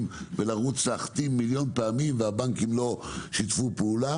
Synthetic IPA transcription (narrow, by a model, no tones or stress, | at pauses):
mvelaʁut͡slaaχḁt̪imːiljo̞npeamimveabaŋkimlo̞ʃitfupeula